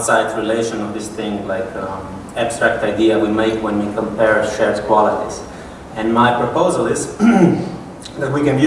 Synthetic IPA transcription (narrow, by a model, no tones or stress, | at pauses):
tsaɪdzɹileɪʃə̃nɔvðɪsθɪ̃ŋlaɪk | æb̥stɹ̥æk̚taɪdiəwimeɪkwɛ̃nwikʰɔ̃mpɛɹʃɛɹz̥kʰw̥ɑlɪɾiz | ɛ̃nmaɪpɹɔpoʊzəlˠɪz | ðæt̚wikɨ̃nj